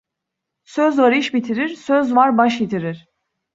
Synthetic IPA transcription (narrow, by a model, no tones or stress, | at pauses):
søzvaɾɯʃbit̪ʰiɾiɾsøzvaɾbaʃjit̪ʰiɾiɾ̥